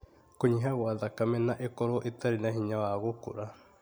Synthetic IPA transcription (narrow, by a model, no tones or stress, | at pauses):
koɲiɦaɣoaðakamɛnaʔekɔɾoʔetaɾinaɦiɲawaɣokoɾa